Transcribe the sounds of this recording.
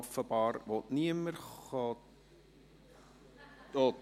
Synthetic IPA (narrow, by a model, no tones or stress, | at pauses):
fəbɑːrvɔtniəmərχɑːt | jo